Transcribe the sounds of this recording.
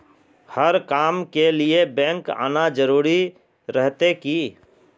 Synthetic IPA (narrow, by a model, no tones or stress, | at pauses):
həɾkaːmkeliebɛ̃ːŋka̰ːnad͡ʒəɾuːɾi | ɾɛɦt̪ekiː